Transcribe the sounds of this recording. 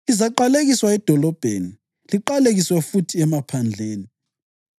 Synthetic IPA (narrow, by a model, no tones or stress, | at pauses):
izaǃaleɣiswaɛd̥ʱɔlɔb̥ʱeːni | liǃaleɣiswɛfutʰiɛmapʰand͡ɮʱeːni